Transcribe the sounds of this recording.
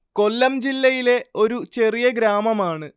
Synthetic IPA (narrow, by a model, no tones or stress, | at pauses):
ko̞lːɐmd͡ʑilːɐjile̞o̞ɾut͡ɕe̞rijɐɡɾaːmɐmaːɳɨ